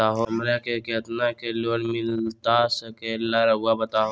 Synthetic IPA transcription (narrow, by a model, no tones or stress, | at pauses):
aːɦomɾakeket̪nakeloːɽmɪlt̪asəkelːaɾɐʊabət̪aːɦo